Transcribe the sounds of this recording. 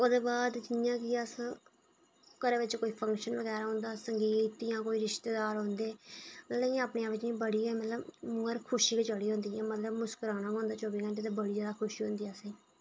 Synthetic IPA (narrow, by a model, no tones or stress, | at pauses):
ʊd̪eːbaːd̪d͡ʒɪjãːkɪəsã | kəɾeːʋɪt͡ʃkoːiːpʰə̃ŋkʃənʋəɡɛːɾaːɦõːnd̪aːsəŋɡiːt̪jãːkoːiːɾɪʃt̪eːd̪aːɾɦõːnd̪eːmət̪ləj̃apɳẽãʋɪt͡ʃnĩːbəɽiːɛːmət̪ləbmːəɾkʰʊʃiːkət͡ʃəɽiːɦõːnd̪iːɛ̃ːmət̪ləbmʊskəɾaːnaːɦõːnd̪aːt͡ʃoːbiːkə̃ɳʈeːt̪ebəɽiːd͡ʒaːd̪aːkʰʊʃiːɦõːnd̪iːɛːsẽː